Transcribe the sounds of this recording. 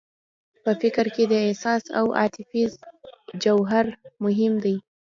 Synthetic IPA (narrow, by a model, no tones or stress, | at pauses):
pəfɪkɾked̪əehsɑsa̰wʔɑ̰t̪ɪfizd͡ʒawɦaɾmʊɦɪmd̪aj